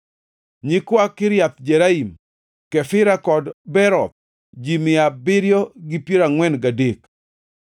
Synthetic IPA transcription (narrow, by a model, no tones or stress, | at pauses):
ɲikwakːɪɾjat̪̚d͡ʒɛɾaim | kɛfɪɾakɔdbɛɾɔt̪̚ | d͡ʒimɪabɪɾjɔɡɪpjeɾaŋwɛnɡadek